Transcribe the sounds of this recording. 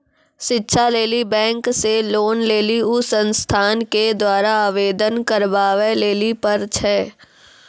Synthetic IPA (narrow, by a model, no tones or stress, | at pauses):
ʃɪtːʃʰaleːlibɛ̃ːŋkseloːnleːliʊsə̃nst̪ʰaːnked̪waːɾaaːʋeːd̪ənkəɾbaːʋeleːlipɐɾt͡ʃʰɛː